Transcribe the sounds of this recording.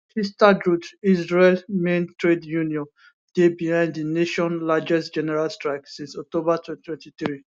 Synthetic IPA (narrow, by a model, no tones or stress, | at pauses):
histadɹutisɹelmẽntɹedjũniɔ̃n | d̥ebihãnddineʃɔ̃nlad͡ʒɛsd͡ʒɛnɛɹalstɹaɪksĩnsɔk̚tobatʰɛtʰwɛ̃ntiθɹi